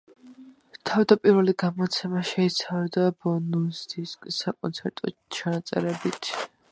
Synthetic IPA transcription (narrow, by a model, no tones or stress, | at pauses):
t̪ʰavd̪apʼiɾvɛliɡamɔt̪sʰɛmaʃɛit̪sʰavɛd̪abɔnusd̪iskʼsːakʼɔ̰nt̪sʰɛɾt̪ʼɔt͡ʃʰanat̪sʼɛ̰ɾɛbit̪ʰ